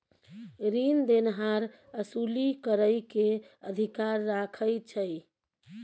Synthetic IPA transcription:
ɾind̪enɦaɾ | əsulikəɾəjke | əd̪ʱikaɾːakʰəjt͡ʃʰəj

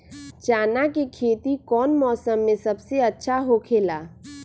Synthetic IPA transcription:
t͡ʃaːnakekʰeːt̪ikɔːnmɔːsəmːẽsəbseɐtːʃʰaɦokʰeːlaː

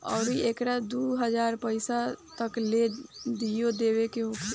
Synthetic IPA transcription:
ɔ̰ːɾieːkɾad̪uɦəd͡ʒaːɾpəɪsat̪əkled̪ijod̪eːwekeɦok

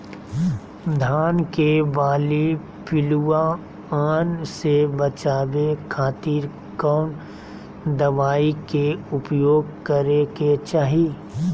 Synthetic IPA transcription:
d̪ʱaːnkebaːli | pɪlua | aːnsebɐt͡ʃaːʋekʰaːt̪iːɾ | kaʊɳ | d̪ɐʋaːikeʊpjoːɡkəɾeket͡ʃaːɦi

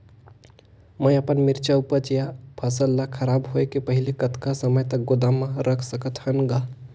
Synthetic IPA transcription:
mə̃jəpənmɪɾt͡ʃaupəɾt͡ʃijapʰəsəlːakʰəɾaːbɦoekipəɦilekət̪kasəməjt̪ək̚ɡod̪amãɾʔəkʰsəkət̪hənɡa

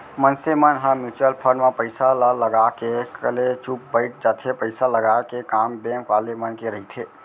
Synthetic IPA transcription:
mənsemənɦə̃mit͡ʃəlpʰənmẽpəɪsalləɡakekəlet͡ʃup̚bəɪʈ̚d͡ʒat̪ʰepəɪsaləɡaekekambɛ̃ŋkʋalemənkeɾəɦit̪ʰe

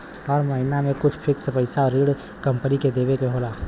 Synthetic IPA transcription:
ɔːɾməɦɪnamẽkʊt͡ʃʰpʰɪksəpəɪsaɔɾiɽ | kəmpəniked̪eβekeɦola

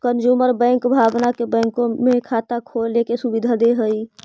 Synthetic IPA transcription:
kənd͡ʒuːməɾbɛ̃ːŋkbʱaːbnakebɛ̃ːŋkõmẽkʰaːt̪akʰolekesʊbid̪ʱad̪eɦəi

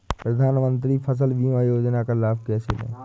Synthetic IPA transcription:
pɾəd̪ʱaːnmə̃nt̪̬ɾipʰəs̬əlʋimajoːd͡ʒnakəɾlaːbkɛːsɪlḛ̃ː

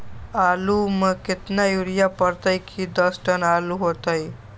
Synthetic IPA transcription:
aluməkɪt̪najuɾijapəɾt̪əjkʰid̪əsʈənaluɦot̪əj

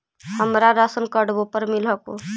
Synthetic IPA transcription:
həmɾaɾəsənkəɽbopəɾmilɦəko

